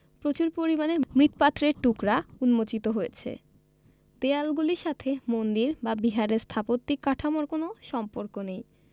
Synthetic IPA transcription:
pɾot͡ɕuɾpoɾimanemɾit̪pat̪ːɾeɾʈukɾaunmot͡ɕit̪oɦojet͡ɕʰḛ | d̪ealɡuliɾʃat̪ʰemond̪iɾbabiɦaɾeɾst̪ʰapot̪ːikːaʈʰamoɾkonoʃɔmpoɾkonej

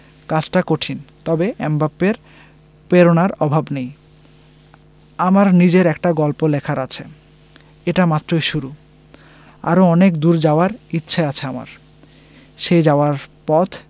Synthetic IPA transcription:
kat͡ɕʈakoʈʰint̪ɔbeʔɛmbapːeɾ | peɾonaɾɔbʱabnej | amaɾnid͡ʑeɾɛkʈaɡɔlpolekʰaɾat͡ɕʰe | eʈamat̪ːɾojʃuɾu | a̰ɾoɔnekd̪uɾd͡ʑaoaɾitːɕʰeat͡ɕʰeama̰ɾ | ʃed͡ʑaoaɾpɔt̪ʰ

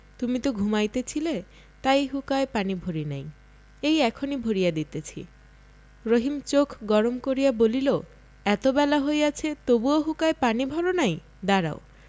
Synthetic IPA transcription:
t̪umit̪oɡʱumajt̪et͡ɕʰile | t̪ajɦukaepanibʱoɾinaj̃ | ejɛkʰonibʱoɾijad̪it̪et͡ɕʰḭ | ɾoɦimt͡ʃokʰɡɔɾomkoɾijabolilo | ɛt̪obɛlaɦojat͡ʃʰet̪obuoɦukaepanibʱɔlonaj̃ | d̪aɾa̰o

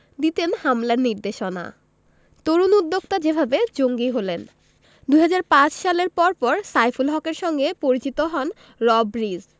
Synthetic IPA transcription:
d̪it̪enhamlaɾniɾd̪eʃona̰ | t̪oɾunud̪ːokt̪ad͡ʑebʱabed͡ʑoŋɡiɦolen | d̪uɦad͡ʑaɾpãt͡ɕʃaleɾpɔɾpɔɾsajfulɦɔkeɾʃɔŋɡepoɾit͡ɕit̪oɦɔn | ɾɔbɾiz

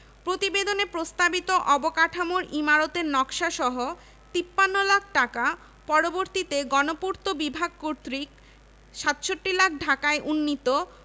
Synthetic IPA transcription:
pɾot̪ibed̪onepɾost̪abit̪oʔɔbokaʈʰamoɾimaɾot̪eɾnɔkʃaʃɔɦo | t̪ipːanːolakʰʈaka | pɔɾoboɾt̪it̪eɡɔnopuɾt̪obibʱaɡ̚koɾt̪ɾik | ʃat̪ʃoʈːilakʰɖʱakaeʔunːit̪o

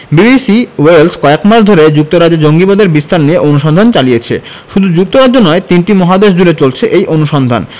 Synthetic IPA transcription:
bibisiwelskɔekmaɾʃd̪ʱoɾed͡ʑuk̚t̪oɾad͡ʑed͡ʑoŋɡibod̪ʱeɾbist̪aɾnieʔonuʃɔnd̪ʱant͡ɕalijet͡ɕʰḛ | ʃud̪ʱud͡ʑuk̚t̪oɾad͡ʑːonɔet̪inʈimɔɦad̪eʃ̬d͡ʑulet͡ɕolt͡ɕʰeʔejʔonuʃɔnd̪ʱa̰n

